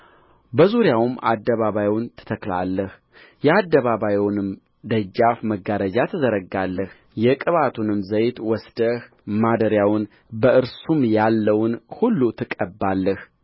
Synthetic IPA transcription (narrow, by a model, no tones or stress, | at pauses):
bəzuɾjawma̰d̪ːəβaβajwʊnt̪ʰɨ̥t̪ʰəkla̰lːəh | jɛad̪ːəβaβajwnɨm | d̪əd͡ʒːafməɡːaɾəd͡ʒat̪ʰɨzəɾəɡalːəh | jɛkʼɨβat̪ʰunɨmzəjt̪wɔsd̪̥əh | mad̪əɾjawʊn | bəɨɾsumjalːəwnhulːut̪ʰɨkʼəbːalːəh